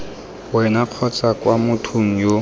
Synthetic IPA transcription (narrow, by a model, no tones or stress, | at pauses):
wɛnaq͡χʰɔt͡sakwamʊtʰuŋ̩jo